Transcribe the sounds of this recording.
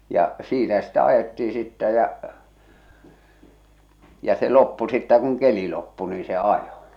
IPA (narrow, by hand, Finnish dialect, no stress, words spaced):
jɑ siːnæ sitæ ɑjetːii sitːæ jæ jɑ̟ se lopːu sitːæ kuŋ keli lopːu niː se ɑjo